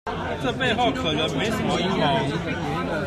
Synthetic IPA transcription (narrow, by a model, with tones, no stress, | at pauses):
ʈ͡ʂə˥˧pe˥˧ɪxo˥˨ʊkʰɤ˨˩nə˨˦ŋme˨˦ɪʂə˧˦nmə˧i˥˨˩kɑ˥˦ŋ